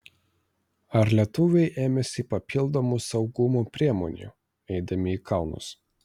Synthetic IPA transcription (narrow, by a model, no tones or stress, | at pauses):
ɐɾlʲiɛt̪ʊʋʲɛɪʔeːmʲɛsʲɪpɐpʲʰɪlˠd̪omusɒʊɡʊmuːpʲɾʲiɛmɔ̰nʲṵˑ | ɛɪd̪ɐmʲɪiːkʰɑˑʊnʊ̰s